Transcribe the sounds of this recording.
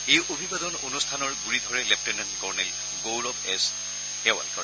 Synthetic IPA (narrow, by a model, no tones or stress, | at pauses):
ejobʱibadɔnonustʰanɔɹɡuɹid̪ʱɔɹɛlɛp̚ʰtɛnɛnkɔɹnɛl | ɡowlɔbɛs | ɛwa̰lkɔɹɛ